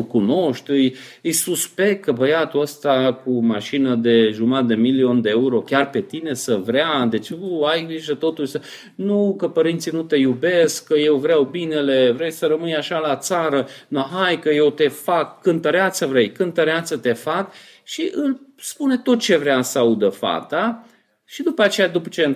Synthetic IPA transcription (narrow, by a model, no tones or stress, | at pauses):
ɨkuno̞ʃt̪ʲɨj | ɨjsuspe̞kt̪̚kːəbəjat̪uəst̪akumaʃinəd̪e̞ʒumat̪̚d̪e̞milio̞nd̪e̞euɾo̞kʲarpe̞t̪ine̞səvɾead̪e̞t͡ʃuajiʒət̪o̞t̪ulsə | nukəpəɾint̪sinut̪e̞jube̞skːəje̞wvɾeawbine̞le̞vɾe̞jsəɾəmɨjaʃalat̪saɾənuɦajkəje̞wt̪e̞fakːɨnt̪əɾeat̪sʲəvɾe̞jkɨnt̪əɾeat̪sət̪e̞fak | ʃiʔɨlspune̞t̪o̞t̪̚t͡ʃe̞vɾeasəaud̪əfa̰t̪a | ʃid̪upəat͡ʃe̞jad̪upə̥t͡ʃe̞